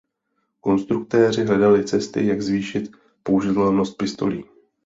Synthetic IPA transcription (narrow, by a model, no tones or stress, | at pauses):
ko̞nst̪ɾuk̚t̪ɛːr̝ɪɦlɛdalɪt͡sɛst̪ɪ̰jaɡzviːʃɪt̪ | pouʒɪt̪ɛlno̞st̪̚pɪst̪o̞̰liː